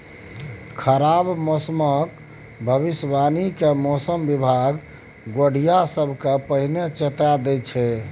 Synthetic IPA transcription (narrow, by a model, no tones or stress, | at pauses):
kʰəɾabmɔsmək | bʱəbisbanikemɔsəmbibʱaɡ | ɡoɽ̤ijasəbʱkepəɦnet͡ʃet̪ad̪ɛt͡ʃʰɛ